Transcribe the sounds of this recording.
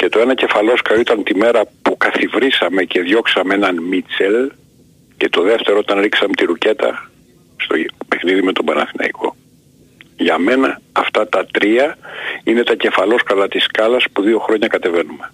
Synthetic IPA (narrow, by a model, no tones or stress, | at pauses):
ce̞t̪o̞e̞nɐce̞fɐlo̞skɐit̪ɐnt̪ime̞ɾɐpukɐθivɾisɐme̞ceðʝo̞ksɐmeenɐnmit͡sel | ce̞t̪o̞ðe̞ft̪e̞ɾoot̪ɐnɾiksɐmet̪iɾuce̞t̪ɐ̰ | st̪ope̞xniðimet̪o̞bɐnɐ̰θinɐ̰ikʰo̞ | ʝɐme̞nɐːft̪ɐt̪ɐt̪ɾiɐine̞t̪ɐce̞fɐlo̞skɐlɐt̪iskɐlɐspuðio̞xɾo̞ɲɐkɐt̪e̞ve̞nume̞